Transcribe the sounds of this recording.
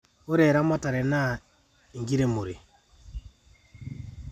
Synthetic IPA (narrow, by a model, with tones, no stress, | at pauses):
o˦ɾɛ˨ɾa˦ma˦ta˨ɾɛ˨na˦ | i˨ŋɡi˦ɾe˦mo˨ɾe˨